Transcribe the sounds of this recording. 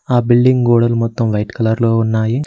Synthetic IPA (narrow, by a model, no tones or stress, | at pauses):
aːbilɖiŋɡɡoːɽɐlmɔt̪ːɐmʋɐjʈkɐlɐɾloːunːaːji